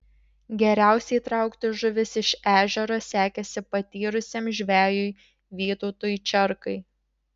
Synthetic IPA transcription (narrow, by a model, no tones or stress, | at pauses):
ɡʲɛɾʲæˑʊsʲɛɪt̪ɾɐˑʊkt̪ʲɪʒʊʋʲɪsɪʃæːʒʲɛɾoːsʲæːkʲɛsʲɪpɐt̪ʲiːɾʊsʲemʒʲʋʲæːjʊɪ | ʋʲiːt̪oːt̪oːjt͡ʃʲɛɾkɐɪ